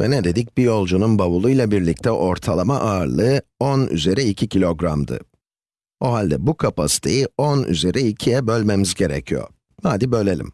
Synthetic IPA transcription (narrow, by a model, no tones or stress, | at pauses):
vɛ̰nɛd̪e̞d̪ic̚b̥ijo̞lˠd͡ʒununbavulˠujlˠabiɾlʲic̚t̪ʰɛʔo̞ɾt̪ʰalˠamaʔaɯɾlˠɯony̰ze̞ɾɛicʰicʰilʲo̞ɡɾamd̪ɯ̰ | o̞ɦalʲd̪ɛbukʰapasi̥t̪ʰe̞̰jiony̰ze̞ɾʔɛicʰijɛbø̞lʲme̞mizɟe̞ɾɛ̰cʰijo̰ | naːd̪ibø̞lʲelʲḭm